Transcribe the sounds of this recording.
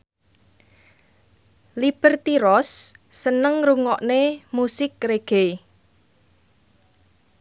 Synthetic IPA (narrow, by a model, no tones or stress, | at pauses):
lib̥ə̤rt̪iɾɔsːənəŋruŋɔʔnemusɪkreɡ̥e